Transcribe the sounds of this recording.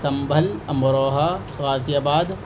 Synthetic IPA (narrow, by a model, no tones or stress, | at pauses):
sɐmbʱɐlɐmɾoːɦaː | ɣaːzijaːbaːd̪